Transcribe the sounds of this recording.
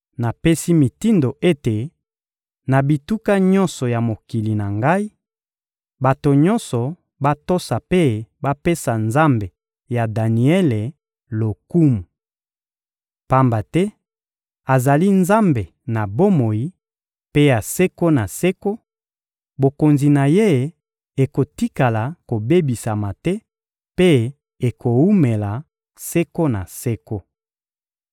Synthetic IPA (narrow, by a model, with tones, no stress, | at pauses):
na˨pe˦si˦mi˨ti˦ndo˨ʔe˦te˨ | na˨bi˨tu˦ka˦ɲɔ˦nsɔ˨ja˨mo˨ki˨li˨na˨ŋɡa˦i˦ | ba˨to˨ɲɔ˦nsɔ˨ | ba˦to˦sa˨pe˦ba˦pe˦sa˨nza˦mbe˨ | ja˨da˨ni˨ɛ˦le˨ | lo˨ku˦mu˨ | pa˦mba˨tɛ˦ | a˨za˨li˦nza˦mbe˨ | na˨bo˦mo˨ji˦ | pe˦ja˨se˦ko˦na˨se˦ko˦ | bo˨ko˨nzi˨na˨je˦˨ | e˨ko˨ti˦ka˨la˨ko˨be˦bi˨sa˨ma˨tɛ˦ | pe˦ | e˨ko˨u˦me˨la˨ | se˦ko˦na˨se˦ko˦